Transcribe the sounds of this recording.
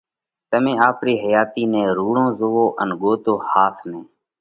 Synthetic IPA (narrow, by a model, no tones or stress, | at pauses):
t̪əmẽːaːpɾiːɦəjaːt̪iːnẽːɾuːɳõːzoːoːʔənɠoːt̪oːhaːt̪ʰnẽː